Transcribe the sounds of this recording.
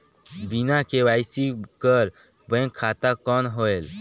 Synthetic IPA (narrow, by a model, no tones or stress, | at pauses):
binakewaːɪsikəɾ | bə̃ŋkʰːaːt̪akɔːnɦoːel